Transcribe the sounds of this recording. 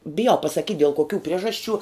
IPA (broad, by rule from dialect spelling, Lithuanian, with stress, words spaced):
bʲɪˈjɛʊ pɐsɐˈkʲiːtʲ dʲɛlˠ koːˈkʲuː ˈpʲrʲiɛʒɐsʲˌt͡ʃʲuː